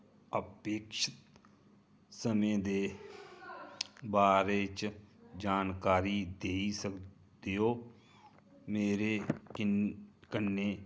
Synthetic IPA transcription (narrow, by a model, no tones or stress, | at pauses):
əpeːkʃɪt̪ | səmẽːd̪eː | baːɾeːt͡ʃd͡ʒaːnkaːɾiːd̪eːisək | d̪eːɦoː | meːɾeː | kənːeː